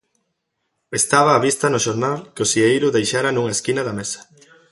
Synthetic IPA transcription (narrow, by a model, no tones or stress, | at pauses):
est̪aβaːβist̪ɐnʊʃoɾnalkɪʊsiejɾʊðejʃaɾɐnuŋɐeskinɐðɐmesɐ̥